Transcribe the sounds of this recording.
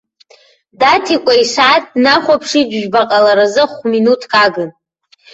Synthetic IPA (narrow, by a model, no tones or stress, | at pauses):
datʰikʷʼaiʂaːt̚ʰdnaχʷapʰʂid͡ʒʒᶣbaqʼalaɾazɨχʷminutʰkʰʼaɡɨn